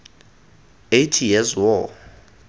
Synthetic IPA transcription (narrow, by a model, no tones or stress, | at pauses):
ejtʰijɛzwɔ